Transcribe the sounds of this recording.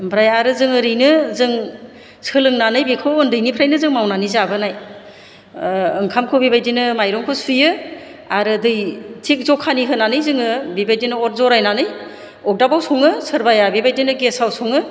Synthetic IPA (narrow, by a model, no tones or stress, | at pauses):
bɾajaɾɯzɯŋɯɾɯjnɯzɯŋ | sɯlɯŋnanɯjbikʰɯɯndɯjnipʰɾajnɯzɯŋmawnanizabɯnaj | ɯŋkʰamkʰobibajdinɯmajɾɔŋkʰɯsujɯ | aɾɯdɯjtʰik̚zɔkʰaniɦɯnanɯjzɯŋɯbibajdinɯɔɾ̚zɔɾajnanɯj | ɔk̚dabawsʰɔŋɯsʰɯɾbajabibajdinɯɡesawsɔŋɯ